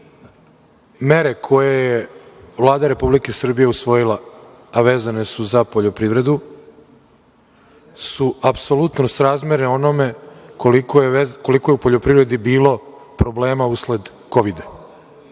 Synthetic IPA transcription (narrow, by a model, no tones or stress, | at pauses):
meɾe̞kʰo̞jejeʋlˠaːd̪aɾe̞publikesr̩bije̞usʋo̞jilˠa | aʋeːzane̞suzapo̞ʎo̞pɾiʋɾe̞d̪u | suapso̞lut̪nosɾaːzmeɾeo̞no̞me̞kolikoko̞likojeupoʎo̞pɾiʋɾe̞d̪ibiːlˠo̞pɾo̞ble̞ːmausle̞d̪ | ko̞ʋid̪a